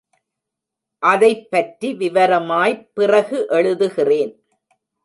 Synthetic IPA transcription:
ʔɐðɐɪpːɐʈriʋɪʋɐɾɐmaːjpɪrɐɣɯʔɛɭɯðɯɣɪreːn

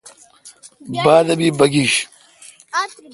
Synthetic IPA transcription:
baːd̪ɐbiːbɐɡiɕ

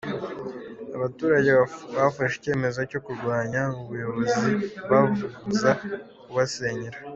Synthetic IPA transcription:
aβatuːɾaɟeβafaʃice̞ːme̞zocokuɾɡwaːɲauβujo̞βo̞ziβavuɡut͡sa | kuβaseɲiɾa

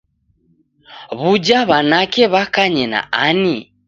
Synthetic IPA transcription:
βud͡ʒaβanakɛβakaɲɛna̰ʔani

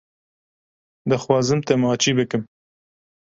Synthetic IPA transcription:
d̪ɨxwɑːzɨmt̪ɛmɑːt͡ʃiːbɨkɨm

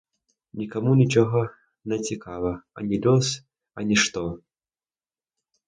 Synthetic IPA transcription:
nʲikɐmunʲɪt͡ʃɔɣɔ | nɐt͡sʲɪkʰavɐɐ̰nʲɪlʲɔs | ɐnʲɛʂt̪ɔ

